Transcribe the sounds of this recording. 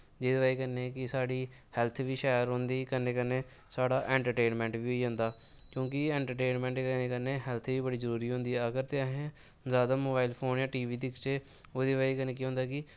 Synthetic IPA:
d͡ʒeːd̪eʋaːiːkənːekɪsaːɽiː | hɛlt̪ʰʋiːʃɛːjəɾɦʊ̃nd̪iːkənːeːkəneː | saːɽaːʔɛ̃ːɳʈəɾʈeːnmɛ̃ːɳʈʋiːɦoːiːɦʊ̃nd̪aː | kjõːkɪɛ̃ːɳʈəɾʈeːnmɛ̃ːɳʈneːkəneːɦɛlt̪ʰʋiːbəɽiːzəɾuːɾiːɦʊ̃nd̪iːɛəɡəɾt̪eːəɦẽ | zjaːd̪aːmoːbaːilpʰoːnjãːʈiːʋiːd̪ɪkt͡ʃeːoːd̪eːʋaːiːkəneːkiɦõnd̪aːkɪ

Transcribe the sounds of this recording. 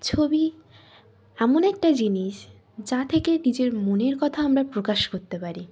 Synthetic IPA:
t͡ɕʰobi | ɛmonɛk̚ʈad͡ʑiniʃ | d͡ʑat̪ʰekenid͡ʑeɾmoneɾkɔt̪ʰaamɾapɾokaʃkoɾt̪epaɾi

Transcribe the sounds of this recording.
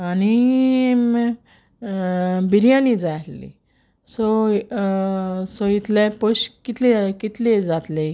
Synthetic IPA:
ani | biɾjãnid͡zajlːḭ | sɔ | soit̪lẽpoɕkit̪lekit̪led͡zat̪le

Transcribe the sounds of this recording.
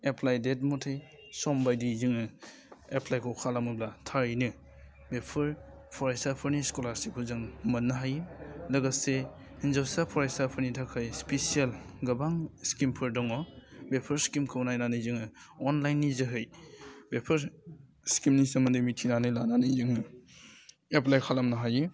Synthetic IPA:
epʰlajdet̚mɔtʰej | sɔmbajdizɯŋɯ | epʰlajkʰɔkʰalamɯblatʰaɾinɯ | bepʰɯɾ | pʰɔɾajsapʰɯɾniskɔlaɾsipʰɯzɯŋmɐnːaɦajlɐɡase | hinzawsapʰɔɾajsapʰɯɾnitʰakʰajspesialɡɐbaŋskimpʰɯɾdɔŋɔbepʰɐɾskimkʰɯwnajnanɯzɯŋɯ | ɔnlajnːizɯɦɯjbepʰɐɾ | skimnisɯmɐndimitʰinanɯjlananɯjzɯŋɯ | eplajkʰalamnaɦajɯ

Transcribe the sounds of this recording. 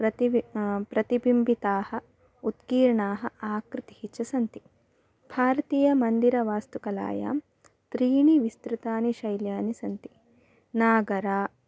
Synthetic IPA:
pɾɐt̪ipɾɐt̪ibimbit̪aːhɐ | ut̪kiːɾɳaːɦɐ̆aːkɾɪt̪ihit͡ʃɐsɐnt̪i | b̥ʱaːɾɐt̪iːjɐmɐnd̪iɾɐʋaːst̪ukɐla̰ːja̰ːm | t̪ɾiːɳiʋist̪ɾut̪aːniʃɐjljaːnisɐnt̪i | naːɡɐɾaː

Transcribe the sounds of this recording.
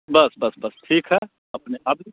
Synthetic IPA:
bɐsbɐsbɐsʈʰiːkɦɛ | ɐpneʔɐb̚

